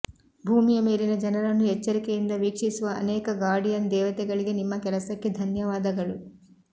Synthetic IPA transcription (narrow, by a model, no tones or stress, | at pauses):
bʱuːmijɐmeːlinɐd͡ʒɐnɐɾɐnːuɛt͡ʃːɐɾikejind̪ɐʋiːkʂisuʋɐ̰ːnɛːkɐɡaːɽijɐnd̪ɛːʋɐt̪ɛɡɐɭiɡe̞nimːɐkɛlɐsɐkːe̞d̪ʱɐnjɐʋaːd̪ɐɡɐɭu